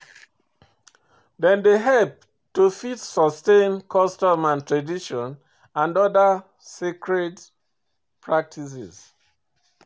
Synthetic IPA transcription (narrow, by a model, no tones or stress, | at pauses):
dɛ̃ndeɦɛlp̚ | tufitsɔstẽnkʰɔstɔmãntʰɹadiʃɔ̃n | ãndɔdə | sekʰɹed | pʰɹak̚tʰis̬ɛ̰z